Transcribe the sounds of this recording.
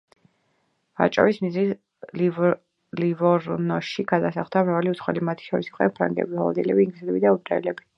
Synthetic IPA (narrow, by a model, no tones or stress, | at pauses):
a̰t͡ʃʼɔ̰vismizlis | l | livɔɾnɔʃiɡad̪asaχd̪amɾaaliut̪sʰχwɛlimat̪ʰi̥ʃɔɾisiqʼɔɛnpʰɾa̰ŋɡɛ̰bihɔlˠɔ̰d̪ilɛbiːŋɡlizɛlɛbid̪aub̪ɾaɛlɛbi